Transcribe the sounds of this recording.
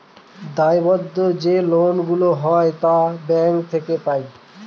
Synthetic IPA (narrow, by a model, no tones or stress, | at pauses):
d̪ajbɔd̪ːod͡ʑelonɡuloɦɔet̪abɛŋkt̪ʰekepaj